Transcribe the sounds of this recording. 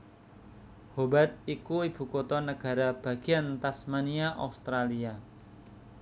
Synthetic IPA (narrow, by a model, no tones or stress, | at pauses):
hobat̪̚ikuib̥ṳkɔt̪ɔnəɡ̥a̤ɾab̥a̤ɡ̥i̤ant̪asmaniaʔa̰ust̪ɾalia